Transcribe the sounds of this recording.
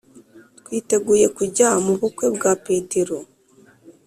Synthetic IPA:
t̪̚wiːte̞ɡuːje̞kuɟamuβukwe̞bɡape̞ːte̞ɾo̞

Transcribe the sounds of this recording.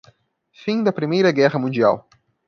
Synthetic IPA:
fĩd̪ɐpɾimejɾɐɡɛʁɐmũd͡ʒia̰w

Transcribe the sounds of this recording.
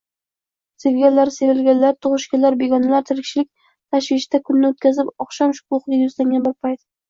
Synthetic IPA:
sevɡʲalːaɾse̞ɾɪlɡʲanlaɾt̪ʰʊʁɨʃkʲalaɾbe̞ɡɒnalaɾt̪ʰɪɾɪkʲʃɪlɪkʲ | t̪ʰaʃvɪʃt̪akʰʊnːɪot̪̚kʲʰazɪpɒχʃɒmʃʊ̥kʰuχʲajʊzlaŋɡʲanbɪɾpʰajt̪̚

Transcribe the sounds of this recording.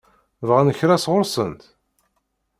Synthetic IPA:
vʁænəçɾæsʁʊɾsənt̪

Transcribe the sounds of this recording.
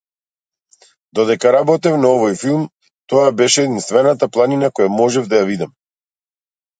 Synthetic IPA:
d̪ɔd̪ɛkaɾabɔt̪ɛfnaɔvɔjfilˠm | t̪ɔjabɛʃɛːd̪inst̪vɛnat̪aplˠaninakɔjamɔʒɛvd̪ajavid̪am

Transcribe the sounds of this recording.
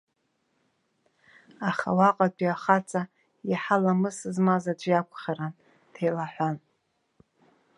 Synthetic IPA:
aχa̰waqʼapʰʼiaχat͡sʼa | jiħalamɨsɨzmazad͡ʒʷjakʷʰʼχaɾan | tʰejlaħʷan

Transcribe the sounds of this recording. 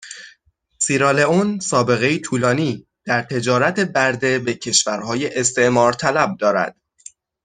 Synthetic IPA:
siɾɑleonsɒːbe̞ɣejit̪ʰuːlɒːniː | d̪̥æɾt̪ʰe̞d͡ʒɒːɾæt̪ʰe̞bæɾd̪e̞becʰe̞ʃvæɾhɒːjeʔest̪e̞ʔmɒːɾt̪ʰælæb̚d̪ɒːɾæ̰d̪̥

